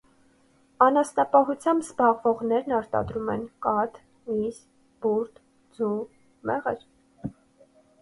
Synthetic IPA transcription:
ɑnɑsnɑpɑɦut͡sʰjɑmbzbɑʁvɔʁnɛɾnɑɾt̪ɑ̰d̪ɾumɛnkɑt̪ | mis | b̥uɾt̪ | d͡zu | mɛʁə̰ɾ

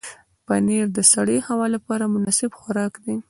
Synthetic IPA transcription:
paneɾd̪əsaɽəjhawɑlapɑɾamʊnɑsɪbxʊɾɑkd̪e

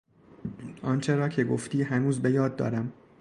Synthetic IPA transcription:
ʔɒːnt͡ʃʰe̞ɾɒːcʰe̞ɡoft̪iːɦænuːzbe̞jɒːd̪ːɒ̰ːɾæm

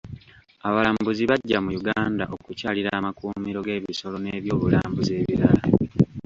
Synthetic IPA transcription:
aβalaːmbuziβaɟːamujuɡaːnda̰ʔo̞kucaːliɾaːmakuːmiɾo̞ɡe̞ːβiso̞lo̞ne̞ːβjo̞ːβula̰ːmbuze̞ːβiɾala

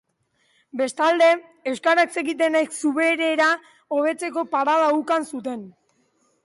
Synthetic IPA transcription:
be̞st̪ald̪e̞ | ewskaɾakse̞ɣit̪̬e̞najksuβe̞ɾe̞ɾa | o̞β̞e̞t͡se̞ko̞paɾað̞aukansut̪e̞n

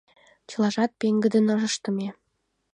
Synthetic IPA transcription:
t͡ɕɤ̆lɑʒɑt̪̚peŋɡə̆d̪ə̆nɤʒə̆ʃt̪ɤ̆me

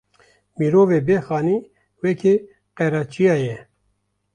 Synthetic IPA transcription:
miːɾoːveːbeːxɑːniː | wɛkʰe | qɛɾɑːt͡ʃijɑːjɛ

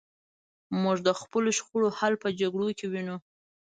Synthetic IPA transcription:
muʒd̪əxpəloʃxuɽohalpəd͡ʒaɡɽokewinu

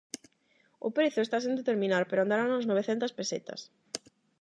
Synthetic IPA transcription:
ʊ̰pɾeθʊest̪asend̪et̪eɾmĩnaɾpeɾoand̪aɾanũznoβ̞eθent̪ɐspeset̪ɐ̰s

